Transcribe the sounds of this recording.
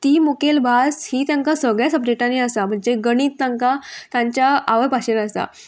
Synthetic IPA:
t̪iːmukelbʱashiːt̪jãŋkasəɡɭjasəpdeʈaniasam̤əɳd͡zeɡəɽ̃iːt̪ːãŋkat̪jãɲt͡ɕjaaʋəpaɕenəsa̰

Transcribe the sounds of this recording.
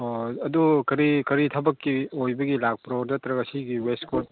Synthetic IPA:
oɐdukɐɾikɐɾitʰɐbɐkːiojbɐɡilak̚pɾonɐtɾɐɡɐsiɡiwestkot̚

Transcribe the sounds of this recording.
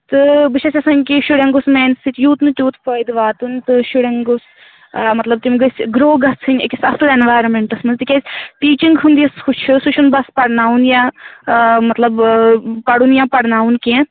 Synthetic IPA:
t̪ɨbɨʃʰɐsʲɐsɐnʲkiʃuɽɐ̃ŋɡusmeːnsɨt̪juːt̪nɨt̪ʲjuːt̪pʰoːjd̪ʋaːt̪unt̪ɨʃuɽʲɐŋɡos | mɐt̪lɐb̚t̪imɡɨsʲɡɾoːɡɐt͡sʰɨnʲḛkʲisɐsɨlenʋaːjɾɐmeɳʈɐsmɐnzt̪ikʲezʲtiːt͡ʃiŋɡɦund̪ijɐsut͡ʃʰɨsuʃʰunbɐspɐɽnaːunjã | mɐt̪lɐbpɐɽunjãːpɐɽnaːunkiẽ

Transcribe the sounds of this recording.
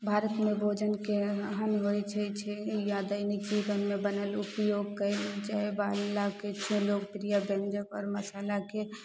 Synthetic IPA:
bʱaɾət̪mebʱod͡ʒənkeɦənɦojt͡ʃʰɛt͡ʃʰɛjad̪əɪnik̚d͡ʒibənmebənəlupjoɡkəɪld͡ʒaebalaket͡ʃʰũloɡpɾijabẽnd͡ʒəkɔ̰ːɾməsalake

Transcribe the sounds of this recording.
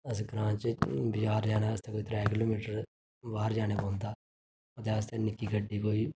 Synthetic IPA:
əsɡɾãːt͡ʃbɪd͡ʒaːɾd͡ʒaːnaːəst̪eːkoːiːt̪ɾɛːkɪloːmiːʈəɾ | baːɾd͡ʒaːɽ̃eːbɔ̃ːnd̪aː | ət̪eːəst̪enɪkːiːɡəɖːiːkoːiː

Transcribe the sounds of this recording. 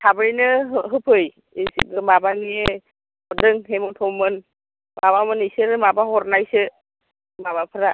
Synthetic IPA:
tʰabɯɾinɯɦɯpʰɯj | isib̚ɯmabanie | ɔdɯŋɦemɔtʰɔwmɯn | maβamɯnisɯɾɯmabaɦɔɾnajsɯ | maβapʰɯɾa

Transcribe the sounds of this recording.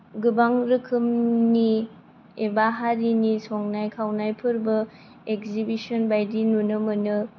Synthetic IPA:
ɡɯbaŋɾɯkʰɯmni | ebaɦaɾinisoŋnajkʰawnajpʰɯɾbɐ | ekzibisɔnbajdinunɯmɯnɯ

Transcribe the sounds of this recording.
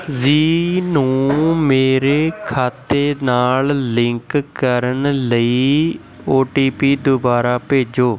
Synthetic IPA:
ziːnũːmeːɾeːkʰaːt̪eːnaːllɪŋkkəɾənləiː | oːʈiːpiːd̪obaːɾaːpeːd͡ʒoː

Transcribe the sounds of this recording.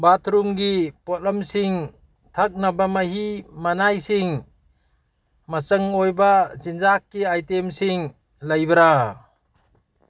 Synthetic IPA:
bat̪ʰɾumɡipɔt̚ləmsiŋ | tʰak̚nabamaɦimanajsiŋ | mat͡ʃəŋojbazind͡ʒakːiajtemsiŋ | ləjbɐɾa

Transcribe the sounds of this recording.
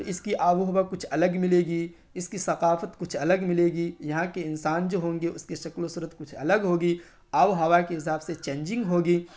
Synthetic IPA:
ɪskiʔaːʋoɦɐʋakʊt͡ʃʰɐləɡmɪleːɡiː | ɪskisɐqaːfət̪kʊt͡ʃʰɐləɡmɪleːɡiːjɐɦãkeɪnsaːnd͡ʒoːɦõːŋɡeʊskeʃɐklosʊɾət̪kʊt͡ʃʰɐ̰ləɡɦoːɡiː | aːʋoɦɐʋakeɪs̬aːbset͡ʃẽːɲd͡ʒɪ̃ŋɡɦoːɡiː

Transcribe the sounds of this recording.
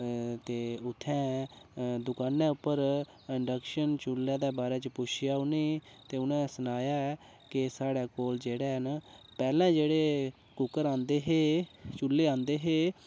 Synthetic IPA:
t̪eːʊt̪ʰːɛ̃ː | d̪ʊkaːnːɛ̃ːʊpːəɾ | ɪɳɖəkʃənt͡ʃʊlːɛ̃ːd̪ɛːbaːɾɛːt͡ʃəpʊʃʰɪjaːʊniːt̪eːʊnɛ̃ːsənaːjaːɛː | kɪsaːɽɛːkoːld͡ʒeːɽɛːɦənpɛːlɛ̃ːd͡ʒeːɽeː | kʊkəɾãːnd̪eːɦeːt͡ʃʊlːeːãːnd̪eːɦeː

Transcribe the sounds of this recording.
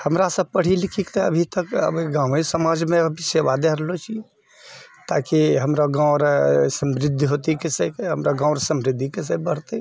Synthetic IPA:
həmɾasəb̚pəɽ̤ilikʰikt̪ɔə̰bʱit̪əkə̰beɡãwesəmad͡ʒmeəbʱiseʋad̪eɾlot͡ʃʰi | t̪akiɦəmɾaɡãʊɾsəmbɾɪd̪ʱːɦot̪ikesekeɦəmɾaɡãwɾsəmbɾid̪ʱikes̬əbbəɽ̤t̪ɛ

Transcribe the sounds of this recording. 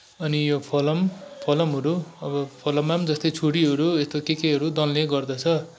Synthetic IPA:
ʌnijopʰʌlʌmpʰʌlʌmɦʌɾuʌbʌpʰʌlʌmːamd͡zʌst̪ʌjt͡sʰuɽiɦʌɾuest̪okekeɦʌɾud̪ʌlːeɡʌrd̪ʌt͡sʰʌ

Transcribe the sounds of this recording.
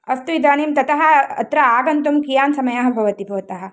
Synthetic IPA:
ɐst̪uid̪aːniːmt̪ɐt̪ɐɦɐɐ̰t̪ɾɐaːɡɐnt̪umkijaːnsɐmɐjaːɦɐbʱɐʋɐt̪ibʱɐːt̪ɐɦɐ̆

